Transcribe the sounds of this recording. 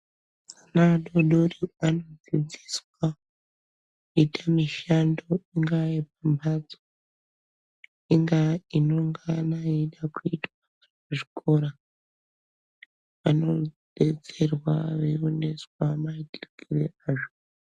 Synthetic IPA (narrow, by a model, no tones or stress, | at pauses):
anaɗo̞ɗoriano̞d͡zid͡ziswa | itamiʃandoiŋɡaip̚ambʱad͡zo | iŋɡaino̞ŋɡanaiɗakuitwazouʐikʰo̞ɾa | ʋano̞ɗe̞t͡se̞rwaʋeoneswamaikirkʰireaːʐo